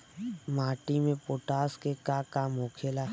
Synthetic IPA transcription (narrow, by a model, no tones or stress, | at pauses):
maːʈimẽpoːʈaːskekakaːmoːkʰelaː